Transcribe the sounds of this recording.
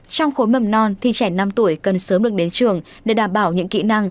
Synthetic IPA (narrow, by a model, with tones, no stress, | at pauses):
t͡ɕɔ˧wŋ͡mxo˨˦jmə˧˩mnɔ˧nt̪ʰi˨˩t͡ɕɛ˧˩na˧mt̪u˧˩əjkə˨˩nsəː˨˦mɗɨ˨˩ək̚ɗe˨˦nt͡ɕɨ˨˩əŋ | ɗe˧˩ɗaː˧˩mɓaː˧˩wɲɨ̰˧˥ŋkḭ˧˨na˧ŋ